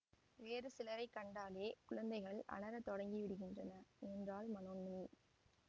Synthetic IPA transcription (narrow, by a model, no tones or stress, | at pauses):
ʋeːɾɯsɪlɐɾɐɪkːɐɳɖaːleːkʊɻɐnd̪ɐɪɣɐɭʔɐ̰ɭɐɾɐt̪ɔɽɐŋɡiʋɪɽɯɣɪndrɐnɐɛndraːlmɐnoːnːɯni